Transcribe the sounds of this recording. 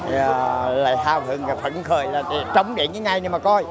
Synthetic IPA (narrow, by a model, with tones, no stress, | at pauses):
la̰ː˧˨jɦaː˧wɦɨ˨˩əŋa˨˩fə̰˧˩ŋxʰəː˨˩jlaː˨˩˨t͡ɕə˨˦wŋ͡mɗḭ˨˧˨nɲɨ˨˦ŋa˧˩jni˧˩maː˨˩kɔ˧j